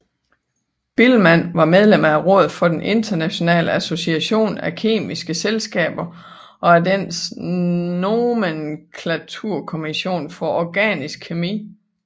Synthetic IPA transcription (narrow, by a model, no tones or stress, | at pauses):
b̥ilmæn̰ʋɑ̈með̞ˠlem̰ɐæʁɔ̽ːð̞̩ˠfɒ̽d̥enʔe̝nd̥ɐnæɕo̝nɛ̰ːləæso̝siæɕo̝̰ːnækʰe̝̰ːmisɡ̥əselsɡ̥ɛ̰ːb̥ɐ | ʔɒ̽ædens | nomenkʰlæt͡sʰuɐ̰kʰo̝miɕo̝̰ːnfɒ̽ʔɒɡ̥ɛ̰ːnisɡ̥ʰemḭː